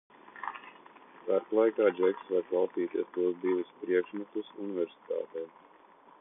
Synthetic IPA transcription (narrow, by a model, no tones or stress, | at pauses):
kaɾplˠajkaːd͡ʒɛksvaɾklˠɑlt̪iːt̪iɛst̪uɔzbiːvispɾiɛkʃmɛt̪usunivɛɾsi̥t̪a̰ːt̪ɛː